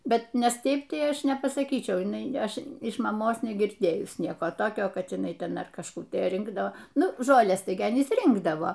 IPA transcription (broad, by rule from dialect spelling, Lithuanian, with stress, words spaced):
ˈbʲɛt ˈnʲɛs ˈtʲɛɪp ˈtɐɪ ˈɐʃ nʲɛpɐsɐˈkʲiːt͡ʃʲɛʊ jɪˈnɐɪ ˈɐʃ ɪʃ mɐˈmoːs nʲɛɡʲɪrʲˈdʲeːjʊs ˈnʲiɛkoː ˈtoːkʲoː kɐt jɪˈnɐɪ ˈtʲɛn ɐr kɐʃˈkuː tɐɪ ˈrʲɪŋɡdoː ˈnʊ ˈʒoːlʲɛs ˈtɐɪ ɡʲɪ ɐˈnʲiːs ˈrʲɪŋɡdɐʋoː